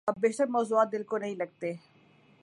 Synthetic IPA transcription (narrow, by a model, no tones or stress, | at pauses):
ɐb̚beːɦt̪əɾmɔːzuaːt̪̚d̪ɪlkonɐɦĩlɐɡ̚t̪eː